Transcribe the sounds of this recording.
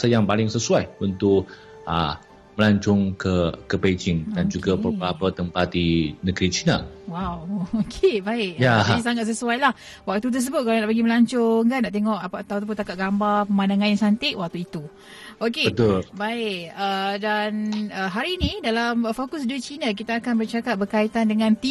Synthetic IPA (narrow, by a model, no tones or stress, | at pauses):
səjaŋpalɪŋsəsuajunt̪ʊk | ə̰ | məlaɲt͡ʃɔŋkəkəped͡ʒɪŋdand͡ʒuɡabəbəɾapat̪əmpat̪̚dinəɡɾit͡ʃina̰wawokʰebaɪʔjais̬aŋat̪səsuajlah | wak̚t̪ut̪ərs̬əbʊt̪̚kalanaʔpəɡiməlaɲt͡ʃɔŋkanaʔt̪eŋɔʔapat̪awt̪ap̬unt̪akaʔ̚ɡambapəmanaŋãnjaŋsant̪ɪʔwak̚t̪uit̪u | okeət̪lbaɪkədanəɦaɾinidalamfokus̬dut͡ʃinak̬it̪aːkanbərt͡ʃakat̪̚bərkait̪andəŋãnt̪i